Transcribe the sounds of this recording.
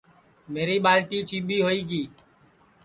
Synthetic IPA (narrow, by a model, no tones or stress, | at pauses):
meːɾiːɓaːlʈiːt͡ʃiːɓʱiːɦoːiːɡiː